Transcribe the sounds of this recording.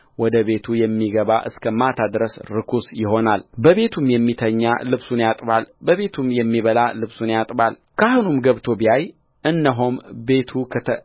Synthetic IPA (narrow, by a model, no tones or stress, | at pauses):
wɔd̪əβe̞t̪ʰujɛmːiɡəβaʔɨ̰skʰəmat̪ʰad̪ɾəsɾɨkʰusjɪɦo̞nalbəβe̞t̪ʰumjɛmːit̪ʰəɲːa̰lɨβsunjat̪ʼβalbəβe̞t̪ʰumjɛmːiβəlalɨβsunjat̪ʼbal | kʰaɦunumɡəβt̪ʰo̞biaj | ʔɨnːəɦombe̞t̪ʰukʰət̪ʰə